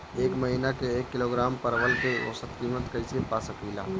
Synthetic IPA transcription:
eːkmɐɦiːnakeeːkːɪloːɡɾaːmpəɾʋəlkeo̰ːsət̪kiːmət̪kɐɪsepaːsəpiːla̰ː

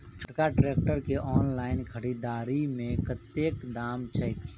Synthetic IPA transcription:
pʰʈkaɖɾeːk̚ʈəɾkeʔɔːnlaːɪnkʰəɽiːd̪aːɾimẽkət̪ːeːkd̪aːmt͡ʃʰɐjk

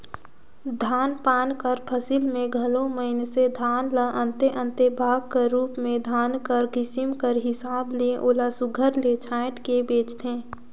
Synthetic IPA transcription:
d̪ʱaːnpaːnkəɾpʰəsɪlmẽɡʱəlõməɦɪnsed̪ʱaːnləʔə̃nt̪eʔə̃nt̪ebʱaːɡ̚keɾuːpmẽd̪ʱaːnkəɾɡɪsɪmkəɾɦɪsaːbliẽʔoːlasʊɡʱəɾlet͡ʃʰaːɪʈkebeːt͡ʃt̪ẽː

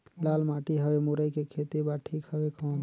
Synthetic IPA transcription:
lalmaʈiɦəbemuɾəjkekʰet̪ibaʈʰikɦəbekə̃n

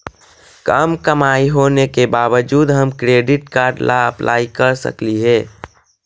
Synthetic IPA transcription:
kəmkəmaːiɦoːnekebaːʋəd͡ʒuːd̪ɦəmkɾeːɖɪʈkaːɾɖlʔaəplʔa̰ːikəɾsə̰kliɦɛː

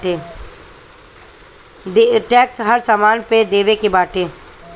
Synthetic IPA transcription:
e | d̪eʈɛːksɦəɾsaːmaːnped̪eːʋekebaːʈẽː

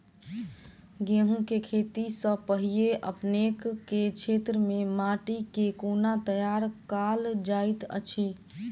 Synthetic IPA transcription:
ɡẽɦũkekʰet̪isəpəɦieʔə̰pnekkːet͡ʃʰet̪ɾəmemaʈikekonat̪əjaɾkald͡ʒait̪ə̰t͡ʃʰi

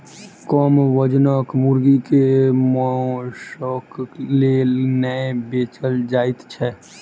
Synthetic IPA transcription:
kɔmʋəd͡ʒnəkmuɾɡikemɔʃɔklenɛbeːt͡ʃəld͡ʒaːɪt̪t͡ʃʰɛ

